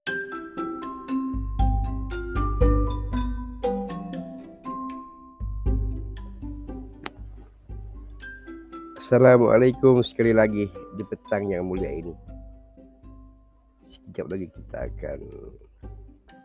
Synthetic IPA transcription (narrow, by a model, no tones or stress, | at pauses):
asalamwʔa̰lajkʊmsə̥kalilaɡihdipət̪aŋjaŋmulia̰ini | sə̥kid͡ʒap̚laɡikit̪ʰa̰ːka̰n